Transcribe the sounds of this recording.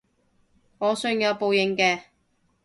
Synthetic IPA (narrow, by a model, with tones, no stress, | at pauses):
ŋɔː˨˧sɵ˧˥ŋjɐ˨˧wpo˨˧wjɪ˨˩ŋkɛː˧